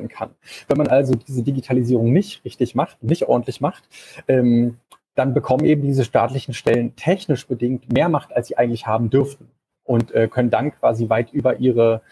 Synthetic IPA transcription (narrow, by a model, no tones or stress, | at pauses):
n̩kʰa̰nvɛnmanʔalzodiːzədiɡitʰaliziːʁ̞ʊŋnɪçtʁɪçtɪçmaχtʊntnɪçtʔɔɐdn̩tlɪçmaχtʔɛːm | d̥anbəkʰɔmənʔeːbm̩diːzəʃta̰ːtlɪçn̩ʃtɛləntʰɛçnɪʃb̥ədɪŋ̚tmeːɐmaχtalsz̥iːʔaɪɡŋ̩tlɪçhaːbm̩dʏɐftn̩ | ʔʊntʔɛːkʰœnəndankv̥aːzivaɪtʔyːbɐʔiːʁ̞ə